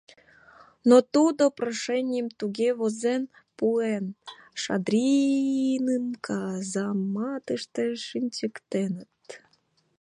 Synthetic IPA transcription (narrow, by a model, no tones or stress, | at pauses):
not̪ud̪oproʃenʲɪjəmt̪uɣeβozen | puenʃɑ̰d̪ɾʲi | nɨmkʰɑzɑmːɑt̪əʃt̪eʃɨnʲt͡ɕəkt̪enət̪